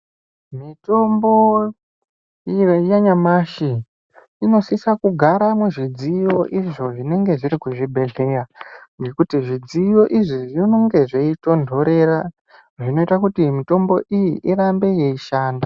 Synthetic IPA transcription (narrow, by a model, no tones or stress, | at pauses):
mito̞mbo̞ | jaɲamaʃiː | no̞sisakuɡʱaɾamuʐid͡zijo̞ʔiʐo̞ʐine̞ŋɡe̞ʐiɾikuʐibʱe̞ɮe̞ːraŋɡe̞kutiʐid͡zijo̞ʔiʐiʐino̞ŋɡe̞ʐeito̞ndʱo̞ɾe̞ra | ʐino̞itakutimito̞mbo̞ʔijiʔirambe̞je̞iʃaːnda